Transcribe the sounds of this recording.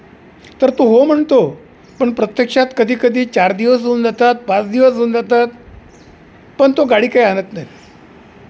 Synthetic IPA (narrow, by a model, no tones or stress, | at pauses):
t̪əɾt̪oɦom̤əɳt̪o | pəɳpɾət̪jəkʂat̪kəd̪ʱiːkəd̪ʱiːt͡ɕaɾd̪iʋəs̬ɦound͡zat̪at̪̚pãt͡sd̪iʋəsɦəund͡zat̪at̪̚ | pəɳt̪oɡaɽiːkaianət̪naɦi